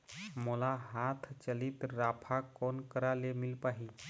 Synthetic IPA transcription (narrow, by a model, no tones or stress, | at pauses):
məlaɦat̪ʰt͡ɕəlit̪ɾapʰakonkəɾalemilpaɦi